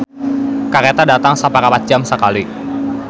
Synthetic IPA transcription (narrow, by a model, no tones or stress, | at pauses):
kaɾet̪adat̪aŋsapakapat̪̚d͡ʒamsəkali